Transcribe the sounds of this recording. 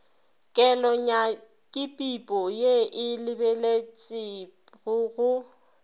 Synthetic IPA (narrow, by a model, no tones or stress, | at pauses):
kʼɛlɔɲa | kʼɪpʼipʼɔjeʔɪlɪbelet͡sʼɪɣʊɣʊ